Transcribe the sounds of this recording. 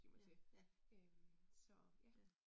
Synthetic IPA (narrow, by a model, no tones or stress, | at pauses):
ɡ̥ḭmɐt͡sʰeømsɒjæ